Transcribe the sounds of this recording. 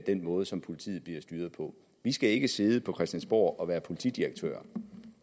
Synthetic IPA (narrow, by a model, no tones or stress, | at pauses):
d̥enmɔ̽ːð̞̩ˠəsɒ̽mpʰo̝lit͡sʰḭːð̩ˠb̥liɐsd̥yːɐð̞ˠpʰɒ̽ | ʋisɡ̥æe̝ɡ̥əse̝ð̞ˠəpʰɒ̽kʰʁɛsd̥jænsb̥o̝̰ːʔɒ̽ʋæːɐpʰo̝lit͡sʰḭd̥iʁeɡ̥̚t͡sʰø̰ːɐ̰